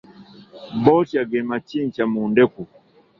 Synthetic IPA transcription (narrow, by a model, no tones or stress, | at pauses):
bɔt͡ʃaɡɛmat͡ʃint͡ʃamundɛku